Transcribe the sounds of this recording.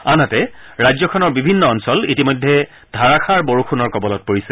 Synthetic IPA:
anatɛɹajzɔkʰɔnɔɹbibʱinːɔːnsɔlitimɔjdʱːɛ | dʱaɹakʰaɹboɹukʰunɔɹkɔbɔlɔt̚poɹisɛ

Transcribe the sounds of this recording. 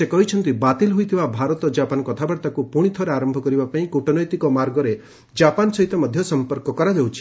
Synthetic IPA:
sekɔɦit͡ʃʰɔnt̪ibat̪ilɦujt̪ʰibabʱaɾɔt̪ɔd͡ʒapanɔkɔt̪ʰabaɽt̪akupuɽ̃it̪ʰɔɾeaɾɔmbʱɔkɔɾibapaĩkuʈɔnɔjt̪ikɔmaɾɡɔɾe | d͡ʒapansɔɦit̪ɔmɔd̪ʱjɔsɔmpɔɾkɔkɔɾad͡ʒewt͡ʃʰi̥

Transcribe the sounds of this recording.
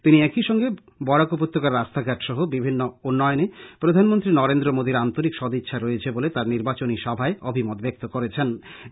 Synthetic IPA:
t̪iniɛkiʃɔŋɡe | bɔɽakopot̪ːokaɾɾast̪ʰaɡʱɛʈʃɔɦobibʱinːounːɔeonepɾod̪ʱanmont̪ɾinɔɾend̪ɾomod̪iɾant̪oɾikʃɔd̪ʱitːʃʰaɾoet͡ɕʰebolet̪aɾniɾbat͡ɕoniʃɔbʱaeobʱimot̪bek̚t̪okoɾet͡ɕʰen

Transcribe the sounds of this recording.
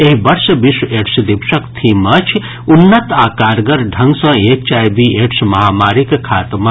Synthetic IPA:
eɦibɐɾsbisweʈsd̪ipʃɐkt̪ʰimɐt͡ʃʰ | unːɐt̪aːkaːɾɡɐɾɖʱɐ̃ŋɡsɐ̃ek̚t͡ʃaːjbieʈsmɐɦaːmaːɾikkʰaːt̪ma

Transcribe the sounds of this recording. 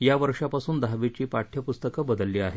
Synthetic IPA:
jaʋəɾʂapasuːnd̪ʱaʋit͡ɕiːpaʈʰjəpust̪əkəbəd̪əlːiːaɦe

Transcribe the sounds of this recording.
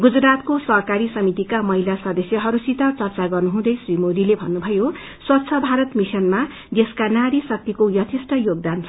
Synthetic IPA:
ɡud͡zrat̪kosʌɦkaɾisʌmit̪ikamʌɦilasʌd̪ʌsjʌɦʌɾusit̪ʌt͡sʌrt͡saɡʌrnuɦũd̪ʌjsrimod̪ilebʱʌnːubʱʌjo | swʌt̪ːsʰʌbʱaɾʌt̪misʌnma | d̪eskanaɾisʌk̚t̪ikojʌt̪ʰisʈʌjoɡ̚d̪ant͡sʰ

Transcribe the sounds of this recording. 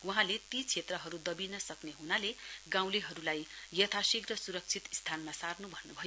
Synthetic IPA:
wuɦãlet̪it͡sʰet̪rʌɦʌɾud̪ʌbinʌsʌkneɦunaleɡãw̃leɦʌɾulajjʌt̪ʰasiɡrʌsuɾʌk̚t͡sʰit̪st̪ʰanmasarnubʱʌnːubʱʌj

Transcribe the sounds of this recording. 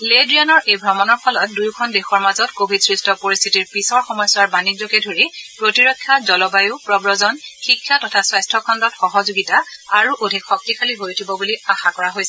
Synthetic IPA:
ledɹianɔɹʔejbʱɹɔmɔnɔɹpʰɔlɔt̚dujkʰɔndexɔɹmazɔtkobʱidsɹistʰɔpoɹist̪ʰitiɹpisɔɹxɔmɔjswaɹbanid͡ʒɔkɛdʱoɹipɹotiɹɔkʰːjazɔlɔbajʊpɹɔbɹɔzɔnxikʰːatɔtʰaswajstʰɔkʰɔndɔtxɔɦɔzuɡitaaɹuʔodʱikxɔk̚tikʰaliɦojtʰibɔbuliaxakɔɹaɦojsɛ

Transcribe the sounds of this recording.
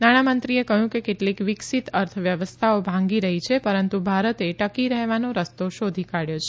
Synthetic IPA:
naɽ̃amənt̪ɾiekəɦjũkekeʈlikʋɪksit̪əɾt̪ʰəʋjəʋəst̪ʰaobʱãŋɡiɾəɦit͡ʃʰepəɾənt̪ubʱaɾət̪eʈəkiɾəɦʋanoɾəst̪oʃod̪ʱikaɽjot͡ʃʰe

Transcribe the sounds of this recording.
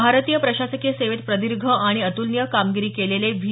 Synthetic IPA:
aɾət̪iːjəpɾəɕasəkieseʋet̪̚pɾəd̪iɾɡʱəaɽ̃iət̪ulnjəkamɡiɾiːkeleleʋʱi

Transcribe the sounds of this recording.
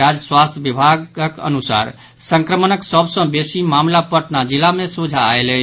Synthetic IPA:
ad͡ʒswast̪ʰjəʋibʱaɡəkə̰nusa̰ɾ | səŋkɾəmənəksəbsə̃besimamlapəʈnad͡ʒilamesud͡ʒʱaːelɛ

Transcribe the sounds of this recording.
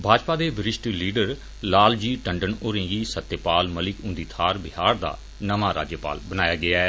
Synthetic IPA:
bʱaːd͡ʒpaːd̪eːʋɪɾɪʃʈiliːɖəɾ | laːld͡ʒiːʈəɳɖəɳoːɾẽːɡiːsət̪ːjəpaːlməlɪkʊ̃ːnd̪iːt̪ʰaːɾbɪɦaːɾd̪a̰ː | nəʋaːɾa̰ːd͡ʒjəpa̰ːlbənaːjaːɡɪaːɛ

